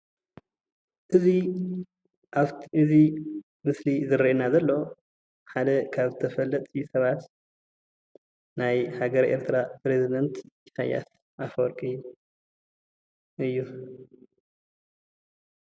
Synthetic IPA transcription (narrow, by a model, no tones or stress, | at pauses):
ʔɨzi | ʔaɨzi | mɨslizɨɾienazɐlːo̞ | ħad̪ɐkʰaβzɨt̪ʰɐfɐlːɐt̪ʼisɐβat̪ | najhaɡɐɾʔe̞̰ɾt̪ʰɨɾapɾezid̪ɐnt̪jisa̰ja̰s | ʔafoɾkʼɨjːu | ʔɨjːu